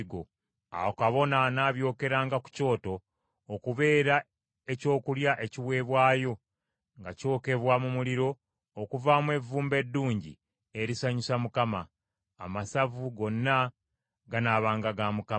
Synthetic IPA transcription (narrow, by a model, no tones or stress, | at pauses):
ɡo | a̰wokaβo̞nanaːβjo̞ːke̞ɾaːŋɡaku̥co̞ːto̞ː | kuβe̞ːɾa | eco̞ːkuljaʔe̞ciwe̞ːβwaːjo̞ | ŋɡaco̞ːke̞βwamumuliɾo̞ː | kuvamwe̞vuːmbe̞dːuːɲɟḭ | e̞ɾisaɲusamukama̰ː | masavuɡo̞nːa | ɡanaːβaːŋɡaɡamuka